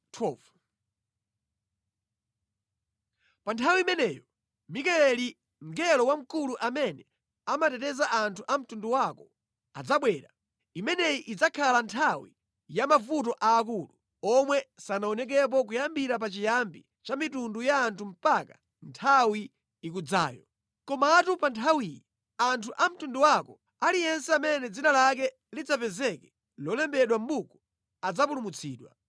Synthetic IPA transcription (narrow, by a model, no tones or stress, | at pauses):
tʰɔːvu̥ | pantʰawimɛnɛːjɔ | mikɛlɛli | ŋɡɛlɔwam̩kuluʔamɛnɛ | amatɛtɛzaʔantʰuʔam̩tunduwakɔ | ad͡zaɓwɛːɾa | imɛnɛiʔid͡zakʰalantʰawḭ | jamavut̬ɔʔaːk̬uːlu | ɔmwɛsanaɔnɛk̬ɛp̬ɔk̬ujambiɾap̬at͡ʃijambi | t͡ʃamitundujaːntʰum̩paka̰ | ntʰawi | ik̬ud͡za̰ːjɔ̰ | kɔmaːtupantʰawijɛ | antʰuʔam̩tunduwakɔ | alijɛnsɛamɛnɛd͡zinalak̬ɛ | lid͡zapɛzɛkɛ | lɔlɛmbɛɗwam̩bukɔ | ad͡zapulumut͡sʰḭːɗwa̰